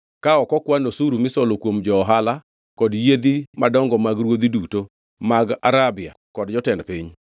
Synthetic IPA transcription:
kaɔkɔkwanosuɾumɪsɔlokwomd͡ʒɔːɦala | kɔdjed̪imadɔŋɡɔmaɡɾwod̪iduto | maɡaɾabɪa̰kɔdd͡ʒɔtɛndpɪɲ

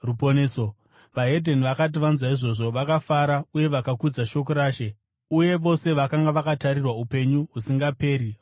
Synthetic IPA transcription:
ruponeːso | ʋaɦe̞dʱe̞niʋakat̬iʋanzwaiʐo̞ʐo̞ʋakafaɾauje̞ʋakakud͡zaʃo̞k̬oɾaːʃe̞ | uje̞ʋo̞se̞ʋakaŋɡaʋakataɾirwaupe̞ɲuɦusiŋɡape̞ːɾi

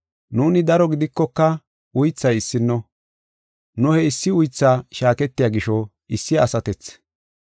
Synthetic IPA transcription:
nuːnɪd̪ɐɾɔɡɪd̪ɪkːɔkːɐ | ʊjt͡sːɐjɪsːɪnːɔ | nʊhɛɪsːɪʊjt͡sːaːʃaːkɛt̪ːɪjaːɡɪʃɔ | ɪsːɪɐsɐt̪ɛt͡s

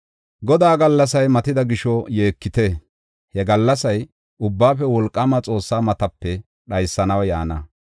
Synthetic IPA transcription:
ɡɔd̪aːɡɐlːɐsɐjmɐt̪ɪd̪ɐɡɪʃɔje̞ːkːɪt̪e | hɛɡɐlːɐsɐj | ʔʊbːaːfɛwɔlkʼːɐmɐt͡sʼo̞ːsːaːmɐt̪ɐpːɛ | ɗɐjsːɐnɐwja̰ːnɐ

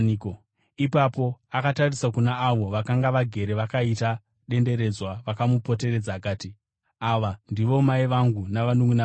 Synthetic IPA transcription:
k | ipapo̞akatarisakunaːʋo̞ʋakaŋɡaʋaɡʱe̞ɾe̞ʋakaita | ɗe̞nde̞ɾe̞d͡zwaʋakamupo̞te̞re̞d͡zaːkaːti | aʋandiʋo̞maiʋaŋɡunaʋanuŋuna

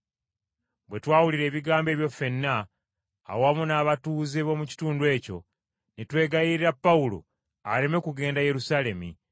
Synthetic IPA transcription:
bwe̞twaːwuliɾe̞ːβiɡaːmbe̞ːβjo̞fe̞nːa̰ː | wamunaːβatuːzeβo̞muci̥tuːndwe̞ːco̞̰ | nitwe̞ːɡajiɾiɾapːawulo̰ | a̰ɾe̞me̞kuɡe̞ːndaje̞ɾusale̞mḭ

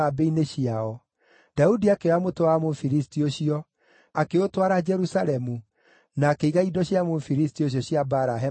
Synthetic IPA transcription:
abeineɕiaɔ | d̥audiakeɔamotowamofiɾistioɕiɔ | akeotwaɾad͡ʒɛɾusaɾɛmu | naːkeiɣaidɔɕjamofiɾistioɕ̬jɔɕjabaɾaɦe

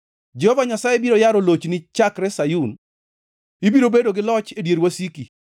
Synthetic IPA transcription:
d͡ʒɛhɔvaɲasajebiɾojaɾolot͡ʃnɪt͡ʃakɾɛsajun | ibiɾobedoɡɪlɔt͡ʃedjeɾwasiki

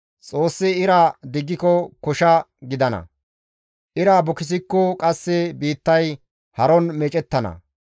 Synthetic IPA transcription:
t͡sʼo̞ːsːɪɪɾad̪ɪɡːɪkɔkɔʃɐɡɪd̪ɐnɐ̰ | ʔɪɾaːbɔkɪs̬ɪkːɔkʼɐsːɛbiːt̪ːɐj | hɐɾɔnmɛt͡ʃʼɛt̪ːɐnɐ̰

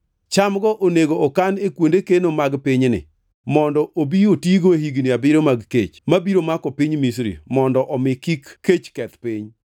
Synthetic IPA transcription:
t͡ʃamɡɔʔoneɡoːkanekwondekenomaɡpɪɲnɪ̰ | mɔndɔʔobiotiɡoehiɡniabɪɾomaɡket͡ʃmabiɾomakɔpɪɲmisɾḭmɔndɔʔɔmɪkikʰːet͡ʃkɛt̪pɪɲ

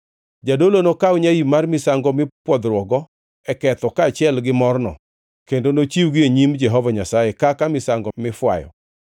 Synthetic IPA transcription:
d͡ʒadolonokaʊɲajimarmɪsaŋɡɔmɪpwɔd̪ɾwɔɡɔ | ɛkɛt̪ɔkaːt͡ʃɪɛlɡɪmɔrnɔ̰ | kendonot͡ʃiwɡɪeɲimd͡ʒɛɦɔvaɲasajekakamɪsaŋɡɔmɪfwa̰jɔ̰

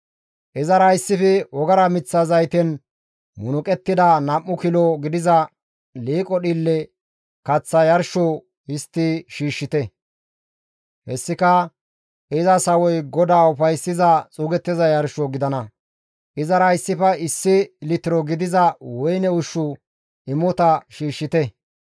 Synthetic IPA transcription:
ʔɪzɐɾɐɪsːɪfɛwɔɡɐɾɐmɪt͡sːɐzɐjt̪ɛn | mʊnʊkʼɛt̪ːɪd̪ɐnɐmːʊkɪlɔɡɪd̪ɪzɐ | liːkʼɔɗilːɛ | kɐt͡sːɐjɐɾʃo | hɪst̪ːɪʃiːʃːɪt̪ɛ | hɛsːɪkɐ | ɪzɐsɐwɔjɡɔd̪aːʊfɐjsːɪzɐt͡sʼuːɡɛt̪ːɪzɐjɐɾʃɔɡɪd̪ɐnɐ | ʔɪzɐɾɐɪsːɪfɐɪsːɪlɪt̪ɪɾɔɡɪd̪ɪzɐwɔjnɛʊʃːʊ | ɪmːɔt̪ɐʃiːʃːɪt̪ɛ

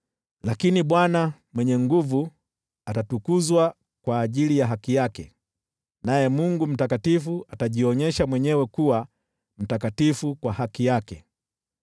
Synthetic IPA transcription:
lakiniɓwanamwɛɲɛŋɡuvu | atatukuzwa | kwaːʄilijaɦakijakɛ | najɛmuŋɡum̩takatifuataʄiɔɲɛʃamwɛɲɛwɛkuwa | m̩takatifukwahakijakɛ

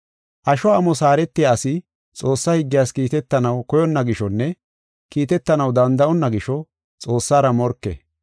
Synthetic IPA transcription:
ʔɐʃɔɐmɔsaːɾɛt̪ːɪjaːsɪ | t͡sʼo̞ːsːɐhɪɡːɪjaːskiːt̪ɛt̪ːɐnɐwkɔjɔnːɐɡɪʃɔnːɛ | kiːt̪ɛt̪ːɐnɐwd̪ɐnd̪ɐʔɔnːɐɡɪʃɔ | t͡sʼo̞ːsːaːɾɐmɔɾkːɛ̰

